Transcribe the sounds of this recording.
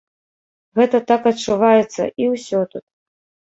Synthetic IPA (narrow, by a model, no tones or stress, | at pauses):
ɣɛt̪ɐt̪akɐt͡ʂːuvajɛt̪sːɐ̰ʔiwsʲɔt̪ut̪̚